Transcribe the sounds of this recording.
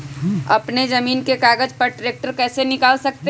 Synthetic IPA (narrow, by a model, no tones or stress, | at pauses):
ɐ̰pned͡ʒəmiːnkekaːɡəd͡ʒpəɾʈɾeːk̚ʈəɾkɛːsenɪkaːlsək̚t̪e